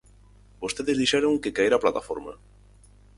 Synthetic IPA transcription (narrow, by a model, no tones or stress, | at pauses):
bost̪eðɪzðiʃɛɾoŋkɪkaeɾaplat̪afɔ̰ɾmɐ̰